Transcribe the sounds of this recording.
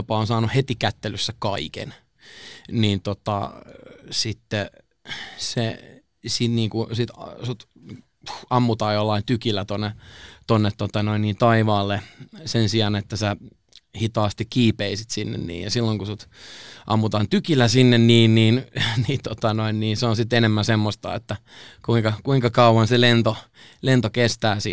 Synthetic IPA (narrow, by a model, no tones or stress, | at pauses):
opɑonsɑːnuhet̪ikæt̪ːelysːækɑikḛn | niːnt̪ot̪ɑ̰ | sit̪ːe | se | sit̪niːŋkusit̪sot̪ | ɑmːut̪ɑːjolːɑint̪ykilːæt̪onːet̪onːet̪tːot̪ɑnoinniːnt̪ɑiʋɑːlːesensiɑnet̪ːæsæ | hit̪ɑːst̪ikkiːpeisit̪sinːḛnnḭːjɑsilːoŋkusut̪ʔɑ̰mːut̪ɑːnt̪ykilːˑæsinːenniːnniːnniːt̪ot̪ɑnoinniːnseonsit̪enemːænsemːost̪ɑ̰ḛt̪ːæ | kuiŋkɑkuiŋkɑkɑuwɑnselent̪o | lent̪okest̪æːsḭ